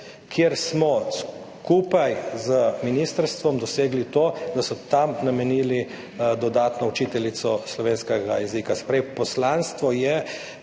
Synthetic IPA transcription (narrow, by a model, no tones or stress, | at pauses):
kʰjeɾsmɔs | kuːpajzəminist̪əɾst̪ʋɔmd̪ɔseːɡlit̪oːd̪asɔt̪amnamɛniːli | d̪ɔd̪aːt̪nɔut͡ʃiːt̪ɛlit̪sɔslɔʋeːnskɛɡajɛziːkaspɾɛjpɔslanst̪ʋɔjɛ